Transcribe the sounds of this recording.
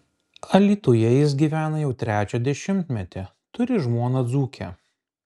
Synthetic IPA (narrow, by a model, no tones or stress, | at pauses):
ɐlʲiːt̪ujɛjɪs̬ɡʲiːʋʲæːnɐjɛʊt̪ʲɾʲæːt͡ʃʲod̪ʲɛʃʲɪmʲt̪ʲmʲɛt̪ʲɪ | t̪ʊɾʲɪʒmuɔnɐd̪zuːkʲʰɛ̰